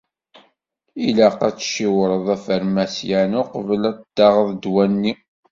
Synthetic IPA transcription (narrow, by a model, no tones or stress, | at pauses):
ilæqæt͡sːʃiwəɾˤəðˤæfəɾmæsjænʊqəvəlæd̪̥ɑʁəðˤd̪wænːi